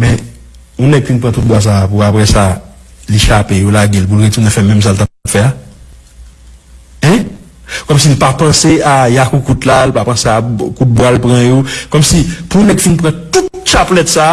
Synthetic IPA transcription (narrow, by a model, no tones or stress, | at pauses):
mɛ̃ | ũnɛɡ̚finpɣɐ̃t̪ut̪̚bwas̬apuapɣɛsaleʃapejolaɡelp̬ulɣet̪unɛ̃fɛmɛ̃ms̬alt̪apbfɛa | ɛ̃ | kɔmsilpapɐ̃seajakukut̪lalpapɐ̃seakut̪̚bwalpɣɐ̃jokɔmsipũnɛɡfinpɣɐ̃t̪ut̪̚t͡ʃaplɛt̪sa